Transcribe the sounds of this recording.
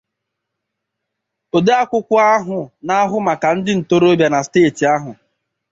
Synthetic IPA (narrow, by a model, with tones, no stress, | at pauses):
o˨de˦a˦kʷʊ˦kʷɔ˦a˦ɦʊ˨na˦ɦʊ˦ma˨ka˨n̩˦dɪ˦n̩˨to˦ɾo˦bja˨na˨steː˦˨ti˨a˦ɦʊ˨